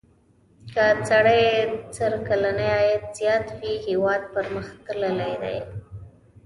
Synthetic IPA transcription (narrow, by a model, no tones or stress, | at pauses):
kat͡saɽajt͡səɾkalanajɑjət̪z̥jɑt̪wihewɑd̪̚pəɾməxt̪ləlajd̪a̰j